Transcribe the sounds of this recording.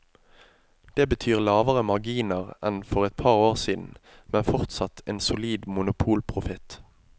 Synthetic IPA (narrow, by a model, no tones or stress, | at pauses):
d̪̥eːbət̪ʰyːʁlɑːʋəʁəmɑʁɡiːnəʁɛ̰nfɔʁɛt̪̚pʰɑːʁoːʁsiːd̪n̩ | mɛnfɔʁt̪sɑt̪ʰeːnsʊliːd̪mʊnʊpʰuːlpʰʁʊfɪt̪